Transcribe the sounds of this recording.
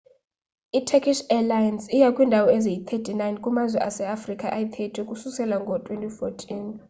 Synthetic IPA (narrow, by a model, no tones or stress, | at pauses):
itʰɛkʰʼiʃɛlajansijakʼwiːndʱawɔezijit̪ʰetʰʼinajnkʼumazwɛʔasɛafrikʼaʔait̪ʰetʰkʼususɛlaŋɡʱɔtʼwentʼifotʰin